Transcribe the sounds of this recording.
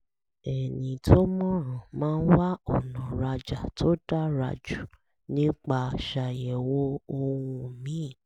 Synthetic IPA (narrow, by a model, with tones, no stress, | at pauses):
ɛ˨nĩ˨tʰo˦mɔ̃˦ɾ̃ɔ̃˨mãː˦˧˦n̩˦wa˦ɔ˦˨nã˨ɾa˧d͡ʒa˨to˦da˦ɾa̰˧˨d͡ʒu˨ | nĩ˦k͡pa˧˨ʃa˧˨jɛ˨wo˦o˧wũ˧mĩ˨˦˨